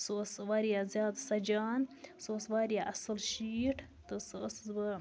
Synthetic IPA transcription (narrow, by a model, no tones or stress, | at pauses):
soːsʋaːɾjazjɑːd̪sɐd͡ʒɑːnsoːsʋaːɾjaʔɐsɨlʃiːʈʰ | t̪ɨsszbə